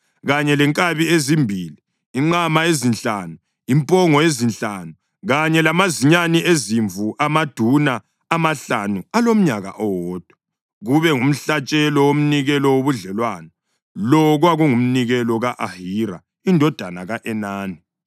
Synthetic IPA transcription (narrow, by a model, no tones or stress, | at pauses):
ɣaɲɛlɛŋkʼaβiezimbʱiːliː | ŋ͡ǃamaezint͡ɬaːnu | impʼɔŋɔezint͡ɬʼanu | ɣaɲɛlamaziɲaniʔeziɱvuʔamad̥ʱunaː | maɬanualom̩ɲaɣa̰ʔɔwɔːd̥ʱwa | ɣuβɛŋum̩ɬat͡ʃʼɛlɔwom̩niɣɛlɔwoβuɮɛlwaːna | lɔɣwaɣuŋum̩niɣɛlɔɣaʔahiɾa̰ | indʱɔd̥ʱanaɣaʔɛnaːni